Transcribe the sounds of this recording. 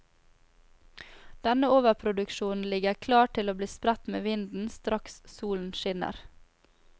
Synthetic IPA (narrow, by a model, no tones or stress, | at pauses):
d̪̥ɛnəoːʋəɾpʰɾʊd̪ʉkʃuːn̩lɪɡəɾkʰlɑːʈʰɪloːbliːspɾɛt̪mḛːʋɪnd̪n̩st̪ɾɑkssuːln̩ʃɪnə̰ɾ